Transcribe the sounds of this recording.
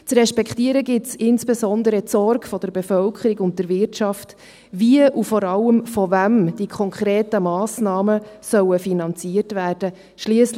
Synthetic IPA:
t͡srɛʃpɛkχtiəɾəɡɪtsɪnsb̥ezɔnd̪əɾətt͡sɔrɡfɔd̪̥əɾbefœlkʰχəɾiɡʊnt̚dəɾvɪrtʃɑft | viəʔufɔɾɑlːəmfɔvæmd̥ikʰɔŋkχɾeːtəmɑːsnɑːməsœwəfinɑnt͡siəɾtvæːrd̥ə | ʃliəs

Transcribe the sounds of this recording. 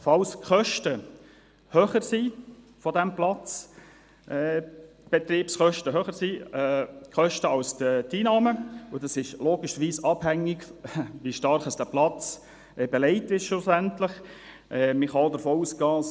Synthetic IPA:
fɑlskχœʃtə | høːχəɾsiː | fɔdæmplɑt͡s | ɛːb̥ɛt̪ɾiːpsχœʃtəɦøːχəɾsiːɛkχœʃtəɑlstət̪iːnɑːməʊd̥ɑsɪʃloːɡɪʃəʋiːsɑb̥hæŋːɪɡʋiʃtɑɾχəsd̥æplɑt͡s | ʔɛbɛlɛɪtɪʃʃʊsæntlɪχ | ʔɛmɪχɑodəɾfoːuːskɑː

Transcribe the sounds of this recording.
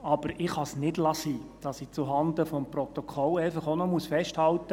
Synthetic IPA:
ɑb̥əɾɪχhɑsnɪdlɑsiːd̥ɑsɪt͡suɦɑnd̪əfɔmprɔt̪ɔkʰɔlɛɪfɑχonɔmusfɛʃthɑlt̪ə

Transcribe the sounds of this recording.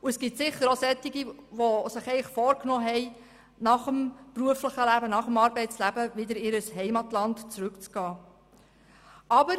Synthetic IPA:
uɛsɡ̥itsɪχːəɾosɛtːiɡiʋosəχɛɪχfɔːɾknɔːɦɛɪ | nɑχəmpɾuəfləχəlæbənɑχəmɑːɾbɛɪtt͡slæbəʋɪd̪əɾɪɾəsɦɛɪmɑtlɑntt͡sɾʉkt͡sɡ̥ɑː | ʔɑbəɾ

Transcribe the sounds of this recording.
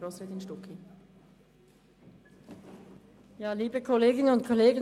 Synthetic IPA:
ɾoːsɾeːd̪inʃtʊkʰi | jaːliːbəkʰoleːɡɪnənʊntkʰɔleːɡə

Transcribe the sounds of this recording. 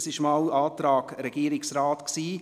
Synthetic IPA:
sɪʃmɑwɑːt̪ɾɑːɡ̥ɾɛɡ̥iːɾɪksɾɑːt̪ksiː

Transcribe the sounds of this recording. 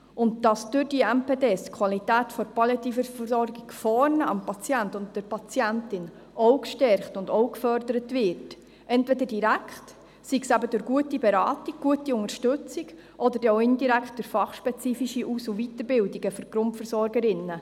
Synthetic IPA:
ʔʊndd̥ɑsd̥ʊɾdiɛmpeːdeːskʰwɑlitæːtfɔɾpɑljɛt̪ifəfsɔɾɡiɡ̥fɔɾnəɑmpɑt͡sjæntʊntd̥əɾpɑt͡sjæntɪn | ʔɔwkʃtɛɾχtʊndɔwkfœɾdəɾətvɪɾt | ʔɛntvɛdədiɾækχt | siɡsæbədʊɾɡuətibɛɾɑːtiɡ̚ɡ̥uətiʊŋəʃtʏt͡siɡ | ʔɔd̪əɾdoʊɪndiɾækχt̚d̥ʊɾfɑχʃpɛt͡siːfiʃiʔusuvitəɾbɪldiɡəføɾɡ̥ɾʊntfəɾsɔɾɡəɾɪnːə

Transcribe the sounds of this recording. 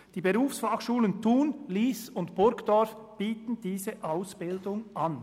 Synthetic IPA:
d̥iːbeʁuːfsfɑχʃuːləntʰuːnliːsʊntb̥ʊɾkd̥ɔʁfb̥iːtn̩d̥iːzəʔaʊsb̥ɪldʊŋʔan

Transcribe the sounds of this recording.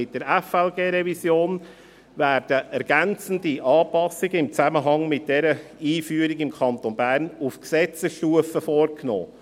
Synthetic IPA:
ɪt̚d̥əɾɛfɛlɡeːɾɛvisjoːn | væːrd̥əʔɛɾɡ̥ænt͡sən̩diʔɑːpɑsɪɡəɪmt͡sæməɦɑŋmɪt̚d̥ɛɾəiːfyːəɾikɪmkʰɑntonbæːɾnufksɛt͡səsʃtuəfəfɔːrkno̰ː

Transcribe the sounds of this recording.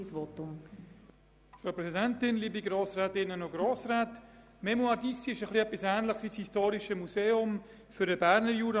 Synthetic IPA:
sʋotʊm | fɾaʊpɾɛsidɛntɪnliːbiɡɾoːsɾɛːtɪnənoɡɾoːsɾɛːt | mɛmuadisiɪʃəχliɛpːisæːnləχsʋiːshistoːɾiʃəmuseːʊm | fʏɾəbæɾnəɾjuːɾ

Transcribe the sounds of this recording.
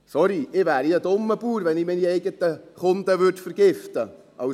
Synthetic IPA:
sɔɾiʔɪʋæːɾiəd̪ʊmːəb̥uːɾʋɛnɪminiɛɪɡət̪əχʊnd̪əʋʏɾdfəɾɡ̥ɪft̪ə | ʔɑ

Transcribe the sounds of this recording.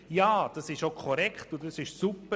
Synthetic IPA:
jɑːd̥ɑsɪʃokʰɔɾɛkχtʊɑsɪʃsupə

